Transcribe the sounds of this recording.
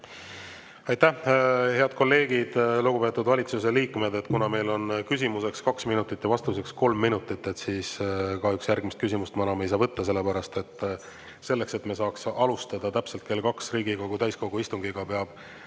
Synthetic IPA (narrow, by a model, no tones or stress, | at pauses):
ɑjt̪æhe̞ɑd̪̥̚ko̞lːe̞ːɡid̪̥luɡ̥upe̞ːt̪ːˑud̪vɑlʲit̪sus̬e̞liːkme̞d̪e̞t̪ːkunɑme̞jlo̞nkys̬ʲimuse̞kskɑksminut̪ːˑit̪ːjɑvɑst̪use̞ksko̞lmːinut̪ːˑit̪ːe̞t̪siːskɑyksjærɡ̥mist̪̚kysʲimust̪mɑnɑmejsɑːvɤt̪ːɑs̬e̞lːe̞pæɾɑst̪e̞t̪ːˑ | se̞lːe̞kse̞t̪mes̬ɑːksɑlust̪ɑd̪̥ɑt̪æpse̞lt̪̚ke̞lkɑksriːɡiko̞ɡut̪æjsko̞ɡ̥uist̪uŋɡ̥iɡ̥ɑpeɑb̥